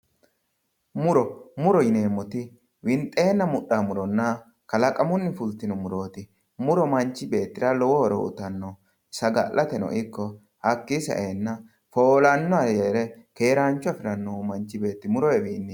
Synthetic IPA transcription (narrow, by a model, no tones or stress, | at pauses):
mʊɾɔmʊɾɔjɪne̞ːmːɔt̪ɪ | wɪnt̪ʼːe̞ːnːɐmʊɗamʊɾɔnːɐ | kɐlɐkʼɐmʊnːɪfʊlt̪ɪnʊmʊɾo̞ːt̪ɪ | mʊɾɔmɐɲt͡ʃːɪbe̞ːt̪ːɪɾɐlɔwɔɾɔ̰ʔʊ̰t̪ɐnːɔ | sɐɡɐ̰lʔɐt̪ɛnɔ̰ʔɪkːɔ | hɐkːisɐ̰ʔeːnːɐ | foːlɐnːɔɐjɛɾɛke̞ːɾaːnt͡ʃːʊɐfɪɾɐnːɔmɐnt͡ʃːɪbe̞ːt̪ːɪmʊɾɔwɛbiːnːɪ